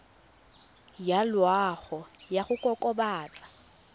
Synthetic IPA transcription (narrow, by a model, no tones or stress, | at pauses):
jalwaɣɔjaχʊkʼɔkʼɔbaːt͡sʼḁ